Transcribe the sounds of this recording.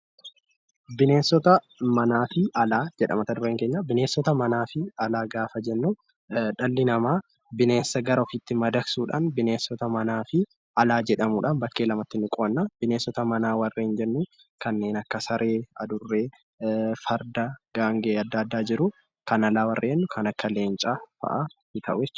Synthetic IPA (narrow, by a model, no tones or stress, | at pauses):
bɪne̞ːsːɔt̪ɐ | mɐnaːfɪʔɐlaːd͡ʒɛᶑɐ̰mɐt̪ɐd̪ʊɾeːŋkeːɲːabɪne̞ːsːɔt̪ɐmɐnaːfɪɐlaːɡaːfɐd͡ʒɛnːu | ᶑɐlːɪnɐmaː | bɪne̞ːsːɐɡɐɾɐɔfɪt̪ːɪmɐd̪ɐksuːᶑa̰ːnbɪne̞ːsːɔt̪ɐmɐnaːfɪ | ʔɐlaːd͡ʒɛᶑɐmuːᶑɐnbɐkːe̞ːlɐmɐt̪ːɪnːɪkʼoːnːab̥ɪne̞ːsːɔt̪ɐmɐnaːwɐrːeːɪnd͡ʒɛnːu | kɐnːe̞ːnɐkːɐsɐɾʔeːɐ̰d̪ʊrːeː | fɐɾd̪ɐɡ̥aːŋɡeːɐd̪ːɐːd̪ːaːd͡ʒɪɾʊ | kɐnɐlaːwɐrʔeːnːʊkʰɐnɐkːɐle̞ːnt͡ʃʼafɐ̰ʔɐnɪk̪ʰɐʔʊjɛt͡ʃː